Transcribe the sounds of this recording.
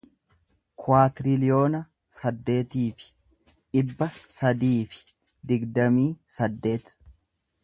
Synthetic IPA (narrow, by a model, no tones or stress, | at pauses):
kʰʊwaːt̪ɪɾɪlɪjo̞ːnɐ | sɐd̪ːe̞ːt̪iːfɪ̥ | ᶑɪbːɐsɐd̪iːfɪ̥ | d̪ɪɡd̪ɐmiːsɐd̪ːe̞ːt̪